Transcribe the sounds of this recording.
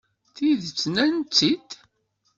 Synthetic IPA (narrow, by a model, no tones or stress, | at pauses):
θiðət͡sːnænt͡sːit̪